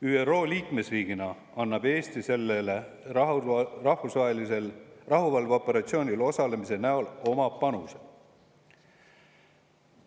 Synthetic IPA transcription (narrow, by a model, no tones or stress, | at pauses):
yːero̞ːliːkme̞sriːɡ̥inɑ | ɑnːɑb̥e̞ːst̪ise̞lːele | rɑhfusvɑɦelise̞lrɑɦuvɑlvo̞pːˑe̞ɾɑt̪sioːnʲilo̞sɑle̞mise̞næolo̞mɑpɑnuse̥